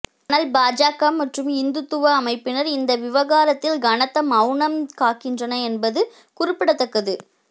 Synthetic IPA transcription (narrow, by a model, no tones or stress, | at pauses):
nɐlbaːd͡ʒaːkɐmːɐʈrɯmɪnd̪ɯt̪ːɯʋɐːmɐɪpːɪnɐɾɪnd̪ɐʋɪʋɐɣaːɾɐt̪ːɪlɡɐɳɐt̪ːɐmɐʊɳɐmkaːkːɪndrɐnɐɛnbɐðɯ | kʊɾɪpːɪɽɐt̪ːɐkːɐðɯ